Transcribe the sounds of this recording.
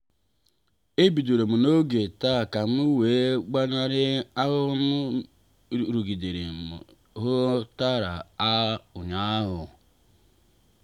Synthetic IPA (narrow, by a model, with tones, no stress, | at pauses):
e˦bi˨do˨ɾo˨mu˨no˦ɡe˨ta˦˨ka˨m˦u˦weː˨˦ɡ͡ba˦ɲa˦ɾɪ˦a˦ɦʊ˦m˦˨ | ɾu˨ɡi˨de˨ɾe˨m̰˨ | ɦʊ˦ta˦ɾa˨a˦ʊ˨ɲa˦ɦʊ˨